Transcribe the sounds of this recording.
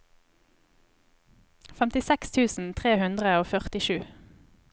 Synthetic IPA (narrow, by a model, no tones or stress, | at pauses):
fɛmt̪ɪsɛkst̪ʰʉːsn̩t̪ʰʁeːhʉnd̪ʁəoːfœʁt̪ɪʃʉː